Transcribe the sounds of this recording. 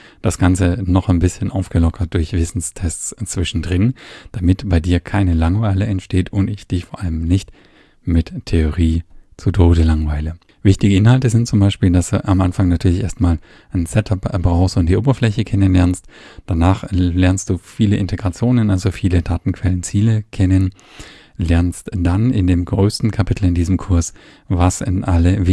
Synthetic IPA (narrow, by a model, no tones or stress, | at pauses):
d̥asɡ̥ant͡sənɔχaɪnbɪsçənʔaʊfɡ̥əlɔkʰɐt̚d̥ʊɐçv̥ɪsn̩stʰɛst͡st͡sv̥ɪʃn̩dʁɪnd̥amɪtb̥aɪdiːɐkʰaɪnəlaŋvaɪləɛntʃteːtʰʊntɪçd̥ɪçfoɐʔaləmnɪçt | mɪttʰeoʁiːt͡sutʰoːdəlaŋvaɪlə | vɪçtɪɡəɪnhaltəzɪntt͡sʊmbaɪʃpiːldasd̥ṵːʔamʔanfaŋnatʰyːɐlɪçʔeːɐstmaːl | nsɛtʰapb̥ʁaʊxstʊnt̚d̥iːʔoːbɐflɛçəkʰɛnənlɛɐnstd̥anaːχlɛɐnst̚d̥uːfiːləʔɪntʰeɡʁat͡sjoːnənʔalzofiːlədaːtn̩kʰv̥ɛlənt͡siːləkʰɛnən | lɛɐnstd̥anɪndeːmɡʁøːstn̩kʰapʰɪtʰl̩ɪndiːzəmkʰʊɐs | vasɪnʔaləvɪ